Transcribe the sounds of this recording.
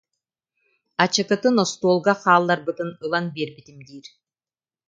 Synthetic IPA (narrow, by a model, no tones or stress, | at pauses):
at͡ɕɯkɯt̪ɯnɔst̪uːlˠɡaχaːlˠːaɾbɯt̪ɯnɯlˠanbiɾbit̪imd̪iːɾ